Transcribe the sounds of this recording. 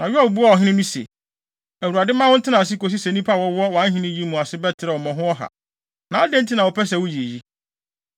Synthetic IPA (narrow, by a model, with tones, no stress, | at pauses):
nã˨ɥɪ˦a˦˨bu˦a˦˨ɔ˨ɦɪ̃˦nɪ̃˦nũ˦sḛ˨ | æ˨wu˨a˨dɪ˦mã˦wʊ̃˦n̩˦tʰɪ˦nã˨s̬ɪ˦ko˨s̬i˦sɛ˨nĩ˦pʰa˦˨wɔ˦wɔ˦wã˨˦ɦɪ̃˦nɪ̃˦ji˦mũ˨a˨sɪ˦bɛ˦tʰɪ˨ɾɛ˨wɔ˨mɔ̃˨ɦʊ̃˦ɔ˦ɦa̰˨ | nã˨a˦dẽ˦n̩˦tʰi˦nã˨wɔ˨pʰɛ˦s̬ɛ˨wʊ˦ji˨ji˦